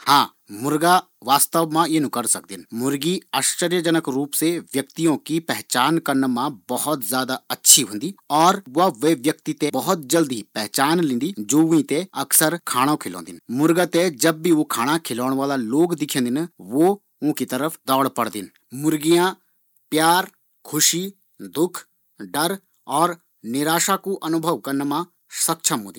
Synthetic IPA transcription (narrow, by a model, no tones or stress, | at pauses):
hãː | mʊɾɡaː | ʋaːst̪əʋmãːenũkəɾsək̚d̪ɪnmʊɾɡiːaːʃt͡ʃəɾjəd͡ʒənəkɾuːpseʋjəkt̪ijõkipɛɦt͡ʃaːnkəɾnəmãbəhʊt̪zjaːd̪aːɐtːʃʰiɦʊ̃nd̪iːɔːɾʊaːʋeːʋjəkt̪it̪ebəɦʊt̪̚d͡ʒəld̪ipɛɦt͡ʃaːnlɪ̃nd̪iːd͡ʒoːʋĩt̪eɐksəɾkʰaːɽ̃ãkʰɪlõ̰ːnd̪ɪnmʊɾɡət̪ed͡ʒɐbːiʋoːkʰaːɽ̃akʰɪlɔːɽ̃ʋaːlaːloːɡd̪ɪkʰẽə̃nd̪ɪnʋoː | ʊ̃kit̪əɾəfʰd̪ɔːɽpɐɽd̪ɪn | mʊɾɡijãː | pjaːɾ | kʰʊʃiː | d̪ʊkʰ | ɖəɾ | ɔːɾ | nɪɾaːʃakuʔɐnʊbʱəʋkɐɾnmã | sɐk̚t͡ʃʰəmɦʊ̃ːd̪i